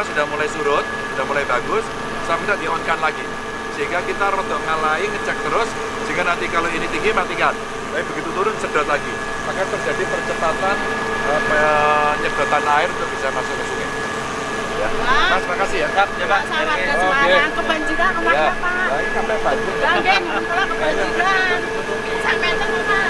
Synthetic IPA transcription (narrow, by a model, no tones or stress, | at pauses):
sudahmulajsuɾʊt̪̚sudahmulajbaɡʊs | sampidaʔdiaŋɔnkanlaɡi | səɦiŋɡakit̪aɾɔt̪ɔʔŋalaiŋət͡ʃak̚t̪əɾʊs | d͡ʒ̥əŋɡanant̪ikaloinit̪iŋɡimat̪ikan | baibəɡit̪ut̪uɾʊnsədɔt̪̚laɡi | makant̪ərd͡ʒadipərt͡ʃəpat̪an | pəpəɲəd̥a̤t̪anaɪrnt̪ʊk̚b̥isamasʊkəsuŋɪ | jamasmakasijakat̪ɲakaaaakəbaɲd͡ʒiɾanjaaaaisapɛbad͡ʒialakəbaaia | samat̪ə | a